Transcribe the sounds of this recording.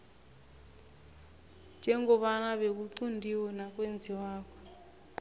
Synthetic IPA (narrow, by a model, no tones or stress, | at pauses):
d͡ʒʱɛŋɡɔβanaβek̬uǀundʱiwɔnakwend͡zʱiwaːkɔ